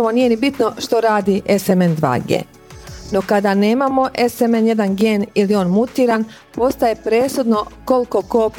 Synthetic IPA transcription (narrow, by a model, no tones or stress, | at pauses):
aʋoniːje̞nibit̪no̞ʃt̪o̞ɾaːd̪iʔesemend̪ʋa̰ːɡḛː | no̞kad̪ane̞ːmamo̞ʔe̞semenje̞d̪anɡeːnilio̞ːnmut̪iːɾan | po̞st̪aje̞pɾeːsud̪no̞ko̞lko̞koːp